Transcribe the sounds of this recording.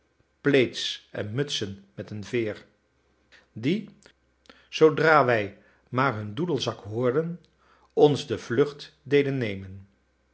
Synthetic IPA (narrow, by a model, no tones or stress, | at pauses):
plejtsɛ̰nmɵtsənmɛtənvɪːɹ | di | z̥owdraːʋɛj | maːɹɦɵndudəlˠzɑkɦʊːɹdən | ɔnzdəv̥lʏχt | dejdənːejmən